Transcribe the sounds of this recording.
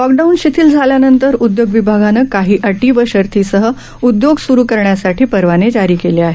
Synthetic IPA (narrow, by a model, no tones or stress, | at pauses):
lɔk̚ɖaunɕit̪ʰiːld͡zʱaljanənt̪əɾud̪joɡʋibʱaɡanəkaɦiːʔəʈiːʋəɕəɾt̪ʰiːsəɦə | ud̪joɡsuɾuːkəɾɳjasaʈʰiːpəɾʋaned͡ʑaɾiːkeleaɦe